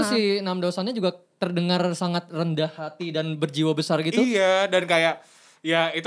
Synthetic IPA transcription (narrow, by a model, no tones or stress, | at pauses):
sinamdawasanɲad͡ʒuɡat̪ərdəŋarsaŋat̪̚rəndahːat̪idanbərd͡ʒiwabəsarɡit̪ujadankajaʔ | jait̪